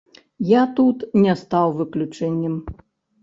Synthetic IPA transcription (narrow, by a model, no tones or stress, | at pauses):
jat̪ut̪nʲɛst̪awvɨklʲut͡ʂɛnʲːɛm